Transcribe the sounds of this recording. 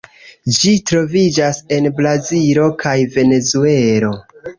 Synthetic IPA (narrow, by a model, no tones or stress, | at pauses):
d͡ʒitɾo̞vid͡ʒase̞nblazilo̞kʰajve̞ne̞zue̞lo̞